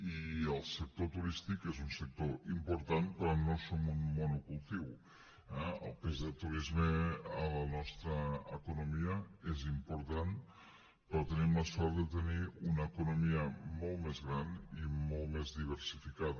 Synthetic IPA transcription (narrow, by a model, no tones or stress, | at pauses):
iəlˠsək̚t̪ot̪uɾist̪ikezunsək̚t̪oimpuɾt̪anpəɾɔnosomunmonukulˠt̪iw | ɛə̰lˠpezðət̪uɾizmeələnɔst̪ɾəːkunomiəezimpuɾt̪an | pɾɔt̪ənimləsɔɾt̪ðət̪əniunəːkunomiəmolˠmezɣɾanimolˠmezðiβ̞əɾsifikað